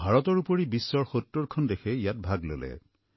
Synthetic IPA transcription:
bʱaɹɔtɔɹupoɹibisːɔɹxotːoɹkʰɔndekʰɛijat̚bʱaɡlo̰lɛ̰

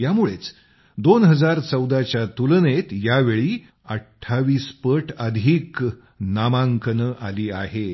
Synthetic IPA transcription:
jamuɭet͡s | d̪onɦəd͡zaɾt͡səwd̪at͡ɕjat̪ulnet̪jaʋeɭiː | əʈʰːaʋiːspəʈʰəd̪ʱiːk | namaŋkʰənəʔaliːaɦe

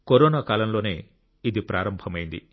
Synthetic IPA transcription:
koɾoːnaːkaːlɐmlo̞ːne̞ː | id̪ipɾaːɾɐmbʱɐmɐjind̪i

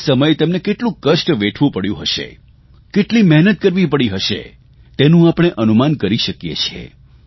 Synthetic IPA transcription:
səməjt̪emnekeʈlũkəʃʈʋeʈʰʋũpəɽjṵ̃ɦəʃḛ | keʈlimɛɦnət̪̚kəɾʋipəɽiɦəʃḛ | t̪enũapɽ̃eʔənumankəɾiʃəkjḛt͡ʃʰiḛ

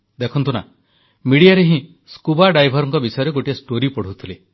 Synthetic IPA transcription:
d̪ekʰɔnt̪una̰ | miɽijaɾeɦĩ | skubaɖajbʱɔɾɔŋkɔbisɔjɔɾeɡoʈiasʈoɾipɔɽ̤ut̪ʰile

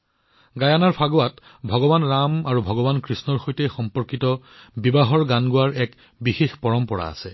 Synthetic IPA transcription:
ɡajanaɹpʰaɡoat | bʱɔɡɔbanɹamaɹubʱɔɡɔbankɹisnɔɹxojtɛjxɔmpɔɹkitɔ | bibaɦɔɹɡanɡʊwaɹɛk | bixexpɔɹɔmpɔɹa̰a̰sɛ

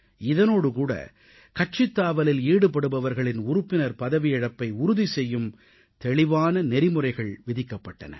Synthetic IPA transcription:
ɪðɐnoːɽɯkuːɽɐ̰ | kɐʈ̚t͡ʃɪt̪ːaːʋɐlɪliːɽɯp̬ːɐɽɯbɐʋɐɾɣɐɭɪnʊɾʊpːɪnɐɾpɐðɐʋɪjɪɽɐpːɐɪʊɾʊðisɛjːɯm | t̪ɛɭɪʋaːnɐnɛɾɪmɯrɐɪɣɐɭʋɪðɪkːɐpːɐʈːɐ̰nɐ̰

